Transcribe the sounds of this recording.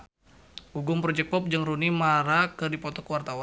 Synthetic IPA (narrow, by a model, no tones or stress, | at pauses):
uɡʊmpɾɔd͡ʒɛk̚pɔp̚d͡ʒəŋrunimaɾakɨrdipɔt̪ɔkəwart̪awa